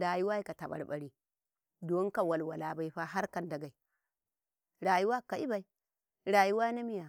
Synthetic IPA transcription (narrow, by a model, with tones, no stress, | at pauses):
ɾa˨ju˦wa˦i˦ka˨ta˨ɓa̰˨ɾɓa˦ɾi˦ | do˦ŋ˦ka˨wa˨lwa˨la˦ba˦i˦ɸa˦ɦa˦ɾka˨nda˨ɡa˨i˨ | ɾa˨ju˦wa˦ka˨i˦ba˨i˦ | ɾa˨ju˦wa˦na˦mi˦ja˨